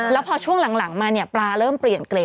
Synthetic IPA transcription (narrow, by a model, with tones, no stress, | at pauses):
lɛː˦˥wpʰɔː˧t͡ɕʰu˥˩əŋla˩˦ŋla˩˦ŋmaː˧ni˥˩əplaː˧ɾɤː˥˩mpɾi˨˩ənkleː˧˦